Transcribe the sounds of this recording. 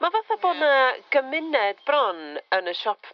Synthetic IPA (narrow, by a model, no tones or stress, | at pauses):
mavaθaboːdnaɡ̥əmɪnɛdbrɔnənəʃɔpʰ